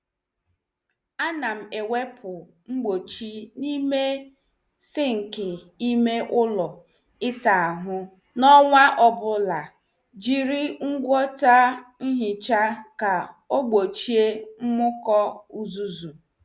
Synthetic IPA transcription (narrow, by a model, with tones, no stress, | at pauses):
a˦na˨m̩˨e˨we˦pʰʊ˨ | ŋ͡m̩˦ɡ͡bo˨t͡ʃi˦ni˦me˦ | sɪ˦ŋ̩˨kɪ˨ | i˦me˦ʔʊ˦lɔ˨ | ɪ˦sa˨a˨ɦʊ˦ | nɔ˦ŋʷa˦ʔɔ˦bʊ˦la˨ | d͡ʒi˨ɾi˦ŋ̩˦ɡʷɔ˦ta˦n̩˦ɦɪ˨t͡ʃa˦ka˨ | o˦ɡ͡bo˨t͡ʃi˦e˦m̩˦mʊ˦kɔ˦u˨zu˦zu˨